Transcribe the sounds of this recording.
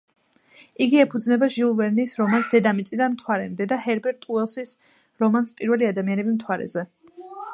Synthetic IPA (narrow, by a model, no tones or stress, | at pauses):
iɡiɛpʰud̪znɛbaʒilˠvɛɾnisɾɔmansd̪ɛd̪amit̪sʼid̪anmt̪ʰwaɾɛmd̪ɛd̪ahɛɾbɛɾt̪ʼuɛlˠsis | ɾɔmanspʼiɾvɛliad̪amianɛbimt̪ʰwaɾɛ̰zɛ